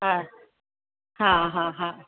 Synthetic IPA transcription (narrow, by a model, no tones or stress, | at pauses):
ɦa | hãɦãɦã